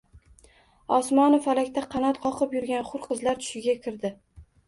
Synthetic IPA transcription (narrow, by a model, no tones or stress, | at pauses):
ɒsmɒnofalakʲt̪aqʰɑnat̪qʰɒqʰɨpjʊɾɡʲanχʊɾqʰɨzlaɾt̪ʰʊ̥ʃɪɡʲakʲʰɪɾd̪ɪ